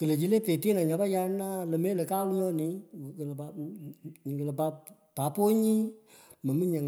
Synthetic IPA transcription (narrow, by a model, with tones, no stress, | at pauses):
kə˨lə˨d͡ʒi˨˦le˦peː˨teː˦nã˨ɲa˨˦ba˦ja˧˦naː˦lə˨meː˦lə˨kaː˦lu˦ŋə˦˨ni˨˦˨kə˨lpa˨˦˨ɲ˨ə˨lə˨pa˧˦ | pa˨˦po˦ɲĩ˦ | ma˨˦mi˦ɲa˨ŋ